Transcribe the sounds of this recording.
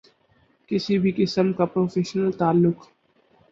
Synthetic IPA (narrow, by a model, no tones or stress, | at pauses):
kɪsibʱikɪsəmkapɾoːfʰeːʃnəlt̪aːlːʊk